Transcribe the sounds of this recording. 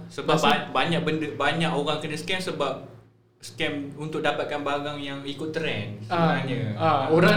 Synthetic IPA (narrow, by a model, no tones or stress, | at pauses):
səbapabaɲak̚bəndəbaɲaʔoɾaŋkənəskɛmsəbap̚ | skɛmunt̪ʊk̚dapat̪̚kanbaɡaŋjaŋikʊt̪ːɾɛnsəbəaɲəaoɾa